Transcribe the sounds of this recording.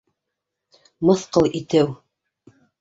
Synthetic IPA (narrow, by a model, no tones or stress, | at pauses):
mɤ̆θqɤlˠʔit̪ɘw